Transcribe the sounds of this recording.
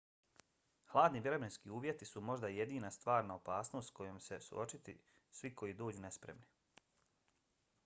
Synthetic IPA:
xlˠaːd̪niʋʲjeɾobenskiːuːʋje̞t̪isumo̞ʒd̪aje̞d̪iːnast̪ʋaːɾnaopaːsnost̪ko̞jomse̞sṵʔo̞t͡ʃit̪ḭ | sʋiko̞jiːd̪o̞ːd͡ʑuːne̞spɾḛmni

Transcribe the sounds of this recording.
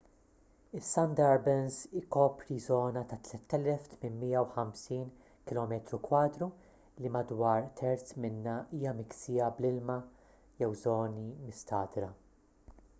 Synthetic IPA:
ɪsːɐnd̪ɐɾbɛnsɪkɔːpɾizɔːnɐt̪ɐt̪lɛt̪ːɛlɛft̪mɪnmiːjɐwħɐmsiːn | kɪlɔːmɛt̪ɾukwɐːd̪ɾu | limɐd̪wɐːɾt̪ʰɛɾt̪t͡smɪnːɐiːjɐmɪksɪːjɐblɪlmɐ | jɛwzɔːnimɪst̪ɐːd̪ɾɐ

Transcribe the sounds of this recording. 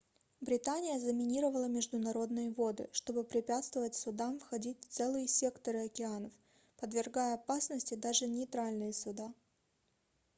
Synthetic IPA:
bɾʲɪt̪anʲɪjəzəmʲɪnʲiɾəvəlˠəmʲɪʐd̪ʊnɐɾo̞d̪nɨjəvo̞d̪ɨ̰ʂt̪o̞bɨpɾʲɪpʲat̪st̪vəvətʲsʊd̪amfxɐdʲitʲft̪sɛlˠɨjəsʲe̞kt̪əɾɨɐkʲɪanəf | pəd̪vʲɪrɡajəɐpasnəsʲtʲɪd̪aʐɨnʲɪjt̪ɾalʲnɨjəsʊd̪a

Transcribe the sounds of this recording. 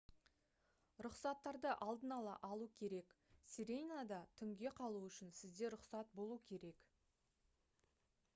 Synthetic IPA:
ɾʊqsɑt̪ːɑɾd̪əʔɑlˠd̪ənɑlˠɑ̰ʔɑlˠukʲʰe̞ɾe̞ksiɾʲejnad̪ɑt̪ʰʏŋɡʲe̞qʰɑlˠuʏʃɪnsɪzd̪e̞ɾʊqsɑt̪̚bo̞lˠukʲʰe̞ɾe̞k

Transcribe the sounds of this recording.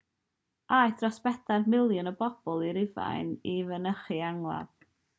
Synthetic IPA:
ʔajd̥rɔsb̥ɛdadmɪlˠjɔnəbɔb̥ɔlˠiɾɪva̰jnivənəχɨaŋlˠa̰ð̥

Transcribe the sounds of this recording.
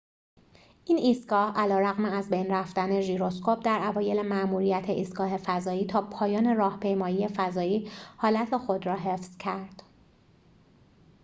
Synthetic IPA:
ʔiːnʔiːst̪̚ɡ̥ɒːhʔælɒːɾæɣmeæzbejnræft̪æne̞ʒiːɾo̞skʰop̚ʰd̪æɾʔævɒːje̞le̞mæʔmuːɾijæt̪ʰeʔiːst̪ɡ̥ɒːɦe̞fæzɒːiːt̪ʰɒːpʰɒːjɒːne̞ɾɒːhpʰe̞jmɒːjiːe̞fæzɒːiːhɒːlæt̪ʰe̞xo̞d̪ɾɒːɦe̞fz̥cʰæɾd̪̥

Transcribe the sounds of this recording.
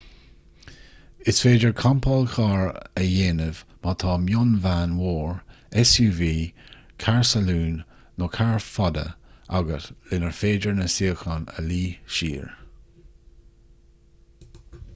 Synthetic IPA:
ɪsfeːdəɹkʰampʰɔlkʰɑːɹəjeːnəvmat̪ʰɑːmjʊnvaːnwoːɹ | ɛsjuːviː | kʰaɹsaluːnː | okʰaɹfɔd̪ə̰aɡəslɪnəɹfeːd͡ʒəɹnəsiəxɔnə̰liːʃḭːɹ

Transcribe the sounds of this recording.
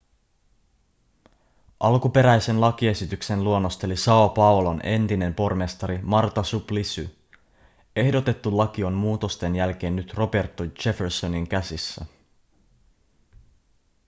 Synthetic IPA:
ʔɑlkupe̞ɾæjse̞nlɑk̟ie̞sit̪ykse̞nluo̞nːo̞st̪e̞lisɑopɑolone̞nt̪ine̞mpo̞rme̞st̪ɑɾimɑrt̪ɑsuplisy | e̞hdo̞t̪e̞t̪ːulːɑk̟io̞mmuːt̪o̞st̪e̞njælk̟e̞ːnːyt̪ro̞be̞rt̪ːot͡ʃe̞feɾso̞niŋkæsisːæ

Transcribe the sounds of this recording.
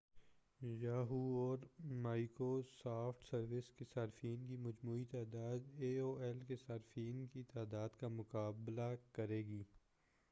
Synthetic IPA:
jaːɦuɔːɾmaːikosaːfʰʈsɐɾʋɪskesaːɾfiːnkimɐd͡ʒmuːit̪aːd̪aːd̪eːoːɛlkesaːɾfiːnkit̪aːd̪aːd̪kamʊkaːblakɐɾeːɡiː

